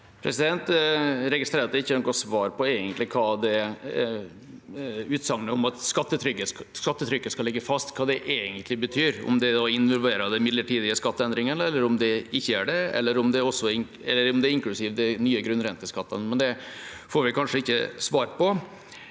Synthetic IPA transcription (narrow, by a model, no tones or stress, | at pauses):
pʰɾɛsɪd̪ɛnt̪ɾɛɡɪst̪ɾeːɾɑt̪ɪçːənɔɡɔsʋɑːɾpɔeːɡənt̪lɪkʰɑːd̪ɛ | ʉːt̪sɑŋnəɔmɑt̪skɑt̪ːət̪ʰɾʏkːəskɑt̪ːət̪ʰɾʏkːəskɑlɛɡːəfɑst̪kʰɑːd̪ɛʔeːɡənt̪ʰlɪbət̪ʰyːɾɔ̰md̪ɛd̪ɑɪnʋɔlʋeːɾəd̪ɛnmɪd̪lːəʈiːd̪ɪəskɑt̪ːəɛnd̪ɾɪŋənəɛlːəɾɔmd̪ɛɪçːəæɖɛɛ̰lːəɾɔmd̪ɛɔsːɔɪŋ | ɛlːəɾɔmd̪ɛɾɪŋklʉsɪʋd̪ɛnyːəɡɾʉnːɾɛnt̪əskɑt̪ːənmɛnd̪ɛfoːɾʋɪkʰɑnʂəɪçːə̰sʋɑːɾpʰɔ